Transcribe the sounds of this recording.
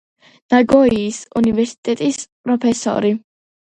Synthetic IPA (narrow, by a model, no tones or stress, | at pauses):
naɡɔiːsunivɛɾsi̥t̪ʼɛt̪ʼispʼɾɔpʰɛsɔ̰ɾi